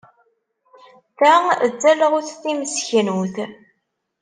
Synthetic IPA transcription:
θæəd͡zːæləʁʊθθiməsçənuθ

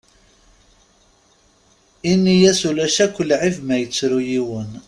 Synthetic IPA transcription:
inːijæsulæʃækʷːəlʕivmæjət͡sːɾujiwən

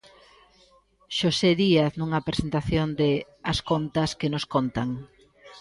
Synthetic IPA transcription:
ʃoseðiaθnuŋɐpɾesent̪aθjond̪e | ɐskont̪ɐskenoskont̪aŋ

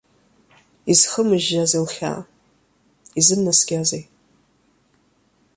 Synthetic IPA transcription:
iz̥χəmɨʒazelχʲa̰ | izɨnnasɡʲazej

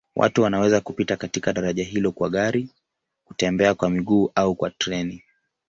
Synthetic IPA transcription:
wʔa̰tuwanawɛzakupitakatikaɗaɾaʄaɦilɔkwaɠaɾi | ku̥tɛmbɛakwamiɠuːʔaukwatɾɛni

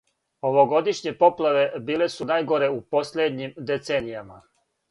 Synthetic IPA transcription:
o̞ʋo̞ɡo̞d̪iʃɲe̞po̞plˠaʋe̞biːle̞sunaːjɡo̞ɾe̞upo̞slʲed̪ɲimd̪et̪senijama

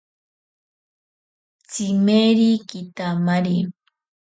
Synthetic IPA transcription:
t͡simeɾikit̪amaɾi

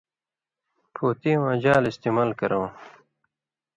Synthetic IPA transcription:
pʰoːt̪ĩwãd͡ʑaːlist̪iːmaːlkɐɾõw̃

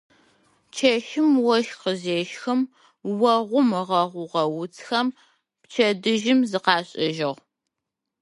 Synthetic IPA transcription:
t͡ʃʰɐʃɪmwɔʃqəzeːʃxɨm | wɐʁʷʊmɨʁɐʁʷʊʁɐwʊt͡sʰxɐm | pt͡ʃʰɐdɨʒɪmzɨqɑːɕʼɪʒɪʁ

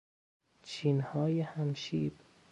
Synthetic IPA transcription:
t͡ʃʰiːnhɒːjehæmʃiːb̥

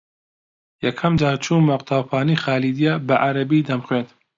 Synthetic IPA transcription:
jɐkʰɐmd͡ʒaːt͡ʃʰumɐqt̪ʰaːwpʰaːnixaːlid̪ijabɐʔaɾɐbiːd̪ɐmxweːnt̪

